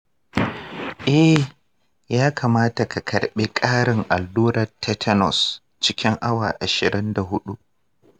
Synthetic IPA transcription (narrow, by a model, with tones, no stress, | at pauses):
ʔɛ˦ | jaː˦kʰaː˨maː˦ta˨ka˨kʰɐ˨ɽɓeː˦kʼaː˦ɽɪ˨ŋʔa˨lːuː˦nɐ˨tʰɛ˦tʰɐ˦nɔ̰˨s | t͡ʃɪ˦kʲɪ˦ŋʔa˦wa̰ː˨ʔa˨ʃɪ˨ɾɪ˦nda˨ɦʊ˦ɗu˦ʔ